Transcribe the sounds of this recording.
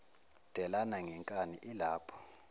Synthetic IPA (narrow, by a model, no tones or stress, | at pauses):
d̥ʱɛlanaŋʱɛŋkʼaniʔilaːpʰɔ̥